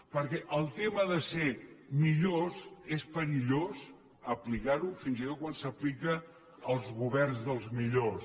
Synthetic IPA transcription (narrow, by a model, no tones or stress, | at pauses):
pəɾkɛʔəlˠt̪eməðəsemiʎosespəɾiʎos | əplikaɾufinzit̪ot̪̚kwansəplikəː | lˠzɣuβɛrnzðəlˠzmiʎos